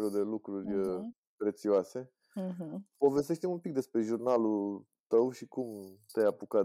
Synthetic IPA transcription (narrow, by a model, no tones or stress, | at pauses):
eɾod̪e̞lukɾurʲə | pɾe̞t̪sioase̞ | po̞ves̬t̬̪eʃt̪imumpik̚d̪e̞spɾe̞ʒurnalu | t̪əwʃikumt̪ejapuka